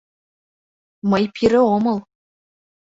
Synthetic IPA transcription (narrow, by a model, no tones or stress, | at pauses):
məjpʰiɾɘ̆omɤl